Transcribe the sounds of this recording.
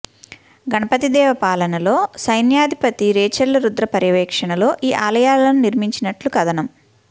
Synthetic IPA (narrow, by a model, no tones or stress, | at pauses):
ɡɐnɐpɐt̪id̪ɛːʋɐpaːlɐnɐlo̞ːsɐjnjaːd̪ʱipɐt̪iɾeːt͡ʃɐlːɐɾud̪ɾɐpɐɾjɐʋɛːkʂɐɳɐlo̞ːʔiːʔaːlɐjaːlɐnuniɾmiɲt͡ʃinɐʈlukɐd̪ɐnɐm